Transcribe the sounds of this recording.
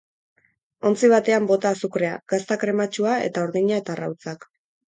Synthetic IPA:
o̞nt͡siβ̞at̪e̞ambo̞t̪aːsukɾe̞aɡ̥ast̪akɾe̞mat͡ʃuae̞̰t̪aoɾðiɲae̞t̪ara̰wt͡sak

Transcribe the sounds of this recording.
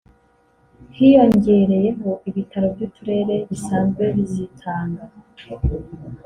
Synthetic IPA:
hijo̞ɲɟe̞ɾe̞je̞ɦoʔiβitʰaɾo̞bjuːtʰuɾe̞ɾe̞βisaːnzɡwe̞βizitʰaːŋɡa

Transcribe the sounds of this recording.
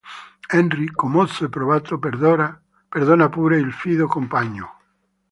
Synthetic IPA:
ɛnrikːomot̪sepɾoβat̪opeɾðoɾa | peɾðonapuɾeilfiðokompaɲo

